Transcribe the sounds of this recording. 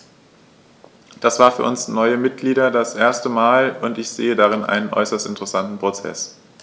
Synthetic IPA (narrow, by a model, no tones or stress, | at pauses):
d̥asv̥aːɐfyːɐʔʊnsnɔʏəmɪt̚ɡ̥liːdɐdasʔeːɐstəmaːlʊntɪçz̥eːədaʁ̞ɪnʔa̰ɪnənʔɔ̰ʏsɐstɪntəʁɛsantn̩pʁ̥ot͡sɛ̰s